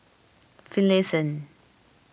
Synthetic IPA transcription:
filɛsə̃n

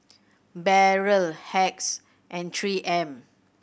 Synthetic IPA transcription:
bɛɹəlhɛks | ʔɛ̃ntʰɹiːʔɛ̃m

